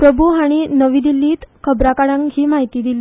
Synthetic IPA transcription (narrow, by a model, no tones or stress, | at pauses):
pɾəbʱuɦaɽ̃inəʋiːd̪ilːiːt̪kʰəbɾakaɽãŋkɦiːmaɦit̪iːd̪ili